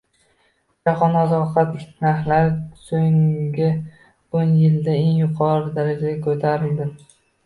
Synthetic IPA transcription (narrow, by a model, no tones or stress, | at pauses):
d͡ʒaχɒnɒzɒqʰat̪kʲʰt̪nahlaɾsoŋɡʲɪ | bʊnjɪld̪aeŋjʊqʰɒɾɪd̪aɾad͡ʒad̪akʰɵt̪ʰaɾɪld̪ɪn